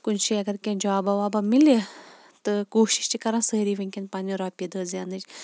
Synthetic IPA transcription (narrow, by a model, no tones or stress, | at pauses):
kʊnt͡ʃʰiɐɡɐɾkẽːnd͡ʒɐaːbaʋaːbaːmile | t̪ɨkoːʃi̥ʃt͡ʃikɐɾãːsəːɾiːʋɐ̃ŋʲkʲenpaːniɾaːpʲid̪əːzjaːnɨd͡ʒ